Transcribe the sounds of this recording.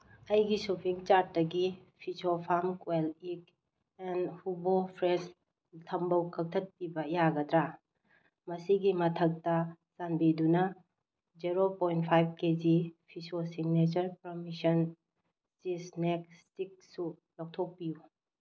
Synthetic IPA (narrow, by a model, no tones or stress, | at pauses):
ɐjɡisupʰiŋt͡ʃaɾtdɐɡipʰisopʰamkwelik | ɛnhubopʰɾes | tʰɐmbɐwkʰɐk̚tʰɐt̚pibɐijaɡɐdɾa | mɐsiɡimɐtʰɐk̚tɐ | sanbidunɐ | d͡ʒiɾopojnt̚pʰajb̚ked͡ʒipʰisosiŋnet͡ʃɐɾpɾomisɐn | sisnek̚stik̚su | lɔk̚tʰok̚piju